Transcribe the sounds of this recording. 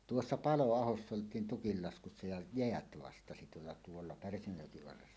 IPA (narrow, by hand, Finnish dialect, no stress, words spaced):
tuosːɑ pɑloɑhosː oltˑiːn tuolːɑ tuolːɑ pærsæmøjːoki ʋɑrːesːɑ